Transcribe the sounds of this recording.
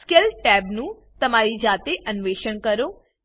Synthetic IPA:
skelʈɛːbnũ | t̪əmaːɾid͡ʒaːt̪eʔənʋeːʃəɳkəɾoː

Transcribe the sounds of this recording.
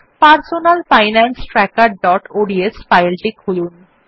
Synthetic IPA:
paɾsonalfajnansʈɾɛkaɾɖɔʈoɖiesfajlʈikʰulun

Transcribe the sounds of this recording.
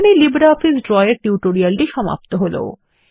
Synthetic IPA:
nilibɾaɔfisɖɾɔjeɾʈiuʈoɾialʈiʃɔma̰pt̪oɦolo̰

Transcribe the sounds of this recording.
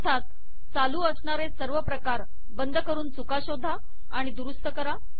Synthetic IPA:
t̪ʰat̪̚ | t͡saluːəsɳaɾesəɾʋəpɾəkaɾ | bənd̪ʱəkəɾuːnt͡sukaɕod̪ʱːaː | ɽ̃id̪uɾust̪əkəɾa

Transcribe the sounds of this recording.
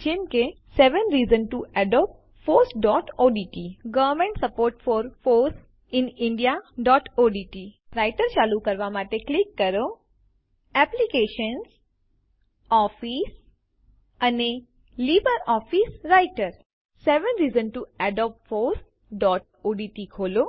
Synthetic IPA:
d͡ʒemke | seʋənɾiːzənʈuɛɖɔːp̚ʈ | foːɾsɖɔːʈoːɖiʈiɡəʋəɾmẽɳʈsəpoːɾʈfɔːɾfoːɾs | ɪnɪɳɖijaɖɔːʈoɖiʈiɾaɪʈəɾt͡ʃalukəɾʋamaʈeklikːəɾo | ɛplikeːʃəns | ɔːfiːs | əne | liːbəɾɔːfisɾaɪʈəɾ | seʋənɾiːzənʈuɛɖɔp̚ʈfoːɾs | ɖɔːʈ̚ | oːɖiːʈikʰoːlo

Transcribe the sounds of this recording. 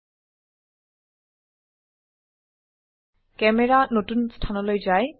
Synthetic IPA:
kɛmɛɹanotunstʰanɔlojzaj

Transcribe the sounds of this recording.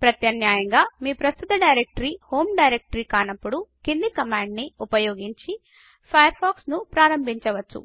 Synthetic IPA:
pɾɐt̪jɐnjaːjɐŋɡaːmiːpɾɐst̪ut̪ɐɖɐjɾek̚ʈɐɾiːho̞ːmɖɐjɾek̚ʈɐɾiːkaːnɐpːuɽukind̪ikɐmaːɳɖniupɐjoːɡiɲt͡ʃi | pʰɐjɐɾpʰaːksnupɾaːɾɐmbʱiɲt͡ʃɐʋɐt͡ʃːṵ

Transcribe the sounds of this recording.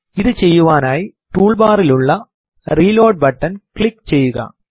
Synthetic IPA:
ɪðɯt͡ʃɛjːɯʋaːnaːjt̪uːɭbaːɾɪlʊɭːɐ | ɾiːloːʈ̚bɐʈːɐnkɭɪkt͡ʃɛjːɯɣa̰ː

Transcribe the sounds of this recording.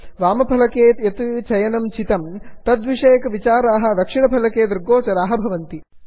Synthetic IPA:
ʋaːmɐpʰɐlɐkeːt̪jɐt̪ut͡ʃɐjɐnɐmt͡ʃit̪ɐmt̪ɐd̪ʋiʂeːkɐʋit͡ʃaːɾaːɦɐ̆d̪ɐkʂiɳɐpʰɐlɐkeːd̪ɾɡoːt͡ʃɐɾaːɦɐ̆bʱɐʋɐnt̪i

